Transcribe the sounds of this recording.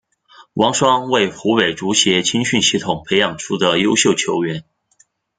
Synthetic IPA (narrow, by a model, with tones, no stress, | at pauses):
wʔɑ˧˥ŋʂwɑ˥ŋwe˥˩ɪxu˧˥we˨˩ɪʈ͡ʂu˧˥ɕjɛ˧˥t͡ɕʰi˥ŋɕy˥˧nɕi˥˩t̪ʰʊ˨˩ŋpʰe˧˥ɪjɑ˨˩ŋʈ͡ʂʰu˥d̪ə˨jo˥ʊɕjo˥˩ʊt͡ɕʰjo˧˥ʊɥɛ˧˥n